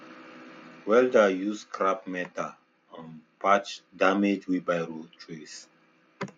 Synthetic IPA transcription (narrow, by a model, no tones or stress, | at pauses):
wɛldajuskʰɹapmɛta | ãnpat͡ʃdamed͡ʒwibajɹotʰɹis